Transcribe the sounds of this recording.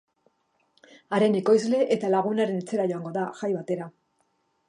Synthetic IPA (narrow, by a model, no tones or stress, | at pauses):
aɾe̞neko̞jzle̞ʔet̪alaɣ̞unaɾe̞ne̞t͡se̞ɾaʝo̞aŋɡo̞ðaɣajβat̪e̞ɾa